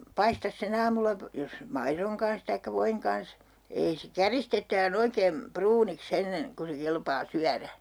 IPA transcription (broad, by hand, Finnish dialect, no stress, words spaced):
pɑistɑs sen ɑːmulːɑ po jos mɑiroŋ kɑns tɑikːɑ ʋoiŋ kɑns ei se kæristetˑæːn oikeːm pruːniks enːen ku se kelpɑː syæræ